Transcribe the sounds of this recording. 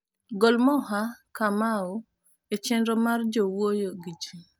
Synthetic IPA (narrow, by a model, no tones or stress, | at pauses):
ɡɔlmɔɦakamao | et͡ʃɛndɔmard͡ʒowojoɡid͡ʒi